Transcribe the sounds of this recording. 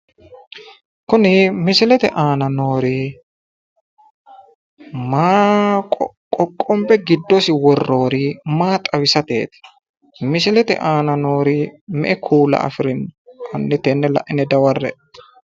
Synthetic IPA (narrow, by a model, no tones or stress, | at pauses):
kʊnɪmɪsɪlɛt̪ɛ̰ʔaːnɐnoːɾi | maː | kʼɔkʼːɔmpɛɡɪd̪ːɔsɪwɔrːo̞ːɾimaːt̪ʼɐwɪsɐt̪ḛːt̪ɛ̥ | mɪsɪlɛt̪ɛ̰ʔaːnɐno̞ːɾɪmɛ̰ʔɛkʰuːlɐ̰ʔɐ̰fɪɾɪnkʰʊnːɪt̪ɛnːɛlɐ̰ʔɪnɛd̪ɐwɐrːɛ̰